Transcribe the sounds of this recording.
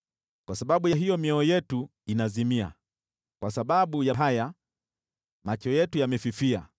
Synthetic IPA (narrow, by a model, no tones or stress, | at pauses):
kwasaɓaɓujaɦijɔmiɔɔjɛtuinazimia̰ | kwasaɓaɓujaɦaja | mat͡ʃɔjɛtujamɛfifia